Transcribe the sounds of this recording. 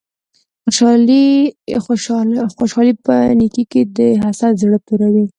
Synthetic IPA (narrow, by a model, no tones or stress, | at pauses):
xoʃɑli | xoʃɑlipə̰nikiked̪əɦasazɽəpuɾawi